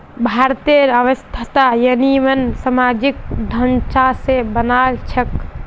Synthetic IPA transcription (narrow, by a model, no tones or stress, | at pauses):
bʱaɾt̪eɾəʋəst̪ʰat̪ajənimənsəmad͡ʒik̚d̪ʱənt͡ʃasebənalt͡ʃʰək